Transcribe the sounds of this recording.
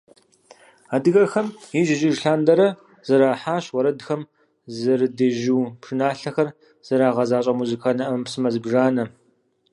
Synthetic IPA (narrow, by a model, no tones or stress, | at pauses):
aːdɨɣɐrxɐmjiʒɪʒɪʒɬaːndɐɾɐ | z̥ɐɾaːħaːɕwɐɾɐdxɐm | zɐrɨdeʒuːpʂɨnaːɬɐxɐr | z̥ɐɾaːʁɐzaːɕʼɐmuzɨkʰaːnɐʔɐmpsɨmɐzɨbʒaːnɐ